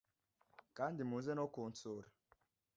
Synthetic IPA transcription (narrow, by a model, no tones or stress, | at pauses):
kan̩dimuzɛnɔkun̩toɾi